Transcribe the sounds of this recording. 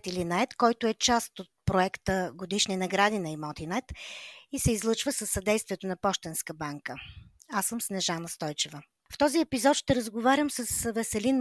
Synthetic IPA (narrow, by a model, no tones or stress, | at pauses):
t̪ilinɐɛt̪kɔjt̪ʊɛt͡ʃast̪ot̪̚pɾoɛkt̪əɡod̪iʃninɐɡɾad̪inɐimɔt̪inɛt̪isɛizlˠɤt͡ʃvəsəsːɐd̪ɛjst̪viɛt̪onɐpɔʃt̪ɛnskəbaŋkəasəmsnɛʒanəst̪ɔjt͡ʃɛvə | ft̪ɔziɛpizɔt̪ʃt̪ɛɾəzɡovaɾʲəmsəsvɛsɛlin